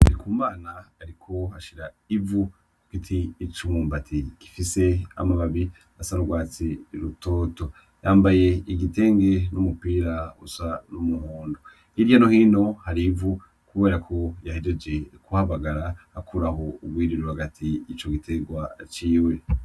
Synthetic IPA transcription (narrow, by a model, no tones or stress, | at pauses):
aɾikuːmaːnaːɾikʰo̞haʃiɾa | ivu | ku̥kitʰiːt͡ʃumuːmbatʰiki̥fise̞a̰maβaβi | asaɾuɡwaːt͡siɾutoːto̞ | jaːmbaje̞iɡite̞ːŋɡe̞numupiːɾaṵsanumuhuːndo | iɾjanohiːno̞haɾivu | kuβe̞ːɾakʰo̞jahided͡ʒekuhaβaɡaɾahakʰuɾaho̞uɡwiːɾiɾuhaɡatʰiːt͡ʃo̞ɡitʰeɡwat͡ʃiːwe̞